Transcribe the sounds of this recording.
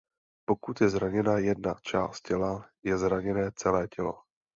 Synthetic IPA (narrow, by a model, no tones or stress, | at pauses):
po̞kut̪jɛzɾaɲɛnajɛdnat͡ʃaːst̪̚cɛlajɛzɾaɲɛnɛːt͡sɛlɛːcʰɛlo̞̰